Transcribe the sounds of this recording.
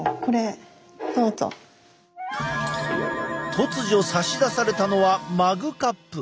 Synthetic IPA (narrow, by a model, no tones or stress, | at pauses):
ko̞ɾe | d̪̥oːzo̰ | t̪ʰo̞t͡sɨʑio̞saɕid̪asaɾe̞t̪ano̞βamaɡɯ̟kapːɯ̟